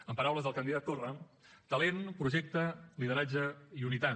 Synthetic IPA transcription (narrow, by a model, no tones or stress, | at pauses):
əmpəɾawləzðəlˠkənd̪iðat̪ːorə | t̪əlenpɾuʒɛk̚t̪əliðəɾad͡ʒəiunit̪a